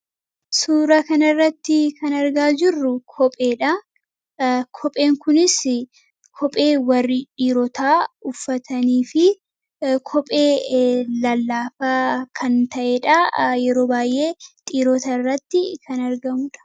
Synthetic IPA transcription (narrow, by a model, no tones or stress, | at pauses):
suːɾɐkɐnɐrːɐt̪ːɪkʰɐnɐɾɡaːd͡ʒɪrːʊkʰɔpʼe̞ːᶑɐ | kʰɔpʼe̞ːŋkʊnɪs | kʰɔpʼe̞ːwɐrːɪᶑʼiːɾɔt̪ʰaːʊfːɐt̪ɐniːfɪ | kʰɔpʼe̞ːlɐlːaːfaːkʰɐnt̪ɐʔeːᶑɐjɛɾo̞ːbaːjʔe̞ːt̪ʼiːɾɔt̪aːɪrːɐt̪ːɪkʰɐnɐɾɡɐmʊᶑɐ̥